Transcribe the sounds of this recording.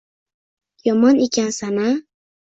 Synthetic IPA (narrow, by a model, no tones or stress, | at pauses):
jomanikansana